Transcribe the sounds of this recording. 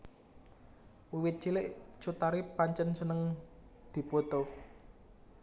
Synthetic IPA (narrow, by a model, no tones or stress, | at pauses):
wiwɪt̪̚t͡ʃilɪʔt͡ʃut̪aɾipaɲt͡ʃənsənəŋd̪̥i̤pot̪o